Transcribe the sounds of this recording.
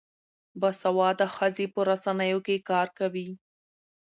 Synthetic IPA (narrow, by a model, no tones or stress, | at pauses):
basawɑd̪əxəzepəɾasanəjokekɑɾkawi